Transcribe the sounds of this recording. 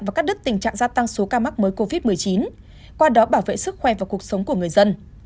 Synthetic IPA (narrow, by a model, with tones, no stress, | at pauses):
vaː˨˩kaː˦˥k̚ɗɨ˦˥k̚t̪ï˨˩ŋ̟t͡ɕa̰ː˧˨ŋzaː˧t̪a˧ŋso˨˦kaː˧ma˦˥k̚məː˨˦jko˧vi˦˥t̚mɨ˨˩əjt͡ɕi˨˦n | kwaː˧ɗɔ˨˦ɓaː˧˩wvḛ˧˨sɨ˦˥k̚xwɛ˧˩vaː˨˩wku˨˩ək̚sə˨˦wŋ͡mku˧˩əŋɨ˨˩əjzə˧n